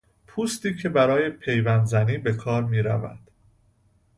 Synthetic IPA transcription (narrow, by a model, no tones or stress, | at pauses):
pʰuːst̪iːcʰe̞bæɾɒːje̞pʰe̞jvænd̪zæniːbe̞kʰɒːɾmiːɾæ̰væ̰d̪̥